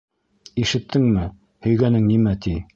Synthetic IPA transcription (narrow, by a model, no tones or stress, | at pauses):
iʃɘ̆t̪ːɘŋmɘ | hɵ̆jɡænɘŋnimæt̪i